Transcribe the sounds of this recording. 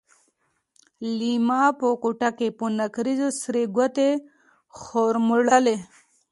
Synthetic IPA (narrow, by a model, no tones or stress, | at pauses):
limaːpokuʈakeponɐkɾizosɾeɡwat̪e | xoːɾmuɽale